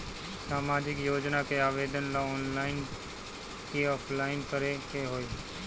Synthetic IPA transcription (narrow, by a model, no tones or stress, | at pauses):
saːmaːd͡ʒɪkjoːd͡ʒnakeaːʋeːd̪ənlaɔːnlaːɪn | keɔːpʰlaːɪnkəɾekeɦoːiː